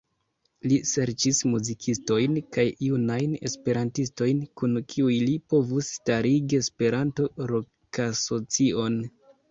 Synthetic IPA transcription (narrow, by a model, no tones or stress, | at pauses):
lise̞ɾt͡ʃismuzikʰisto̞jnkajjunajne̞̰spe̞ɾantisto̞jnkunkʰiujlipo̞vusːtaɾiɡie̞spe̞ɾanto̞ɾo̞ | kaso̞t͡sio̞n